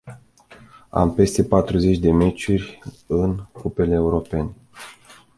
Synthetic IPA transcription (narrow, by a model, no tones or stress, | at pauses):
a̰mpe̞st̪e̞pat̪ɾuze̞t͡ʃʲd̪e̞me̞t͡ʃurʲ | ɨnkupe̞leːuɾo̞pe̞ne